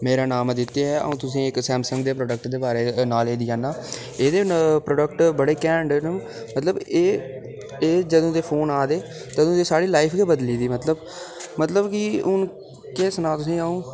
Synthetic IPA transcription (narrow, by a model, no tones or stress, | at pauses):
meːɾaːnaːmd̪ɪt̪ːejaɛːə̰ũːt̪ʊsĩːɪksɛːmsəŋɡ̚d̪eːpɾoːɖək̚ʈd̪eːbaːɾeːnaːleːd̪ɪːaːnaː | eːd̪eːpɾoːɖəkʈbəɽeːkɛ̃ːɳɖnə | mət̪ləbeː | eːd͡ʒəd̪õːd̪eːpʰoːnaːd̪eː | t̪əd̪õːd̪eːsaːɽiːlaːɪpʰkeːbəd̪liːd̪iːmət̪ləb | mət̪ləbkiʊn | keːsnaːt̪ʊsĩːaːũː